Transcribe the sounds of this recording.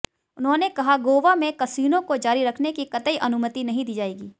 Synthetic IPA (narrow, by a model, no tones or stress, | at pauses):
ʊnɦõnekɐɦaɡoːʋamẽkɐsiːnõkod͡ʒaːɾiɾɐkʰnekikɐt̪əiʔɐnʊmət̪inɐɦĩd̪iːd͡ʒaːeːɡiː